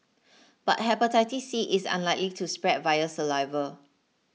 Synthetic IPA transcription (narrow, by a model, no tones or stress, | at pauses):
b̥a̰t̚ɦɛpətaɪtisiʔɪsã̰nlaɪklitʰuspɹɛd̚vajəsəvaɪvə